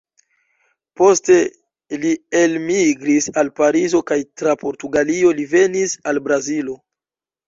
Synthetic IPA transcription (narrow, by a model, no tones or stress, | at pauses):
po̞ste̞ | lielmiɡɾisalpaɾizo̞kajtɾapo̞ɾtuɡalio̞live̞nisalbɾazilo̞